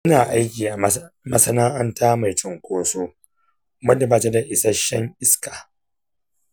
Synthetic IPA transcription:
ʔɐ˦naː˨ʔa˦jkʲiː˨ʔa˨ | mɐ˦sɐ˦naː˦ʔɐ˦ntaː˦ma˨jt͡ʃʊ˨ŋkʷʼoː˦soː˦ | mɐ˦dɐ˨baː˨ta˦da˨ʔɪ˨sɐ˦ʃɐ˦ŋʔɪ˦skaː˨

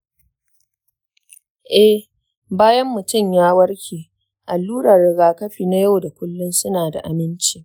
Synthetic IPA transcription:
ʔɛ˦h | baː˦jɐ˦mːʊ˨tʊ˦˨mjaː˦wɐ˦ɽkʲiː˨ | ʔa˨lːuː˦ɽɐ˨rːɪ˨ɡaː˨kɐ˦ɸiː˨na˦ja˦wda˨kʷʊ˦lːʊ˦nsʊ˦naː˨da̰˨ʔa˨mɪ˦nt͡ʃiː˦˨

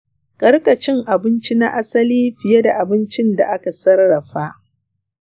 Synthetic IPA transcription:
kʼɐ˦rkʼɐ˨t͡ʃɪ˦ŋʔa˨bɪ˦nt͡ʃi˦na̰˦ʔa˦sɐ˦liː˦ɸɪ˨je˦da˨ʔa˨bɪ˦nt͡ʃɪ˦nda˨ʔa˦ka˨sɐ˦rːɐ˨ɸa˦ʔ

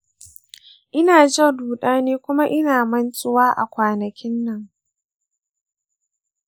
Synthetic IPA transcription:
ʔɪ˦naː˨d͡ʒɐ˦duː˨ɗaː˦neː˦kʷʊ˦ma˦ʔɪ˦naː˨mɐ˦nt͡ʃʼʊ˦waː˦ʔa̰˨kʷaː˨nɐ˨kʲɪ˦nːɐ˦˨ŋ

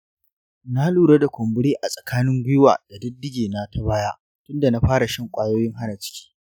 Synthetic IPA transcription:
na˦luː˨ɽa˦da˨kʷɔ˨mbɪ˦ɽeː˦ʔa˨sʼɐ˨kʰaː˦nɪ˦ŋɡʷʊ˦jʊ˦wa̰ː˨d̥a˨dɪ˦dːɪ˦ɡʲeː˨na˦tʰa˦baː˦ja˦ʔ | tʊ˦nda˨na˦ɸaː˦ɾa˨ʃɐ˦ŋkʷʼaː˦˨joː˦jɪ˦ŋɦa˦na˨t͡ʃɪ̥˦kʲi̥ː˦

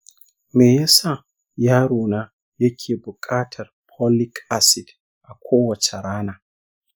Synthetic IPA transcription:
me˨jɛ˦sa˦˨ | jaː˦ɾoː˨na˦ | jɐ˦kʲʰeː˨bʊ˨kʼaː˦tʰɐ˨rpʰɔ˦li˦kʰa˨sɪ˨d | ʔa˨kʷʰoː˦wɐ˨t͡ʃɐ˨ɾaː˦na˨

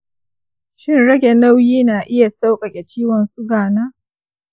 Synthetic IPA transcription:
ʃɪ˦nɽɐ˦ɡʲɛ˨na˦wjiː˦naː˨ʔɪ˦ja˨sa˦wkʼɐ˨kʲʼɛ˨t͡ʃiː˦wɐ˨nsʊ˦ɡaː˨naː˦ʔ

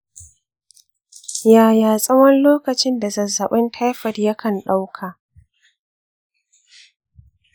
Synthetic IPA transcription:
jaː˨jaː˨sʼɐ˦wɐ˦nloː˦kɐ˨t͡ʃɪ˦nda˨zɐ˨zːɐ˨ɓɪ˦ntʰa˦jɸɐ˨rjɐ˦kʰɐ˨nɗa˦wkʰaː˨ʔ

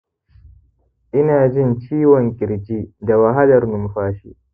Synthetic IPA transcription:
ʔɪ˦naː˨d͡ʒɪ˦˨nt͡ʃiː˦wɔ˨ŋkʲʼɪ˨ɽd͡ʒiː˦da˨wa˨ɦa˦dɐ˨rnʊ˨mɸaː˦ʃḭ˦ʔ

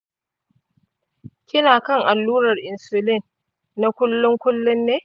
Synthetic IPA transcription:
kʲɪ˦naː˨kɐ˦˨ŋʔa˨lːuː˦ɾɐ˨rʔɪ˨nsʊ˨lɪ˦˨n | na˦kʷʊ˦lːʊ˦ŋkʷʊ˦lːʊ˦nːeː˦

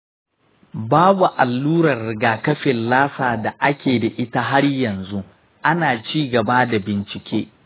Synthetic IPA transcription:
baː˦bu˨ʔa˨lːuː˦ɾɐ˨rːɪ˨ɡaː˨kɐ˦ɸɪ˨nlaː˦saː˨da˨ʔa˦kʲeː˨da˨ʔɪ˦ta˦ɦa˦ɽjɐ˨nzu˦ | ʔa˦naː˨t͡ʃiː˦ɡɐ˨ba˦da˨bɪ˨nt͡ʃɪ˨kʲʰeː˦

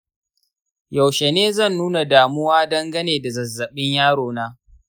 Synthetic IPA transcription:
ja˨wʃe˨neː˦zɐ˦˨nːuː˦na˨daː˨mʊ˦waː˦dɐ˦ŋɡɐ˦neː˨da˨zɐ˨zːɐ˨ɓɪ˦ɲjaː˦ɽoː˨naː˦

